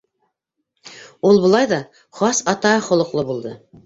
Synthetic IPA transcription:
ulˠβŏlˠɑjðɑ | χɑsɑt̪ɑχŏlˠɤ̆qlˠɤbulˠd̪ɤ

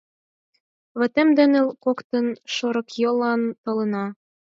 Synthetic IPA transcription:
βɘ̆t̪ĕmd̪ĕnɘ̆lkokt̪ɤ̆nʃoɾɤ̆kjɤ̆lɑnt̪ɤ̆lɤ̆nɑ

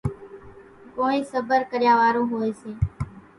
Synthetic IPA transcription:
koːĩːsəbəɾkəɾjãːʋaːɾõːɦoːeːseː

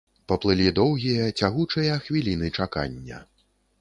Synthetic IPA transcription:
pɐplˠɨlʲid̪ɔwɣʲijɐt͡sʲaɣut͡ʂɐjɐxvʲilʲinɨt͡ʂaka̰nʲːɐ̰

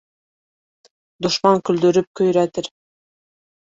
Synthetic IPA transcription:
d̪uʃmɑŋkyld̪ɵɾyp̚kɵjɾæt̪ɘɾ

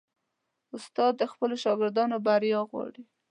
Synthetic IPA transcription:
ʊst̪ɑd̪ːəxpəloʃɑɡɪɾd̪ɑnobaɾjɑɣwɑ̰ɽi

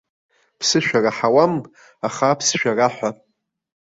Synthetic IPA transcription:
pʰsɨʃᶣaraħawam | aχapʰsʃᶣaraħʷa

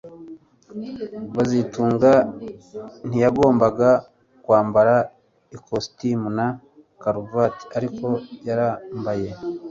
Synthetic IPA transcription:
βazituːŋɡa | n̥ijaɡo̞ːmbaɡa | kwaːmbaɾa | ikostimuna | kaɾuvati̥aɾiko̞jaɾambaje̞

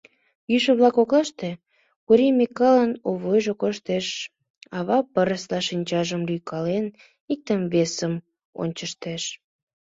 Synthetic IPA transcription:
jyʃə̆βlɑkoklɑʃt̪e | kuɾimikɑlənoβojʒokoʃt̪eʃ | ɑβɑpəɾəslɑʃinʲt͡ɕɑʒəmlykʰɑlen | ik̚t̪əmβesəm | o̰nʲt͡ɕəʃt̪eʃ

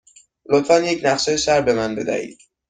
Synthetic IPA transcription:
lot̪fænjecʰnæχsejsæɾbe̞mænbe̞d̪æ̰hḭːd̪̥

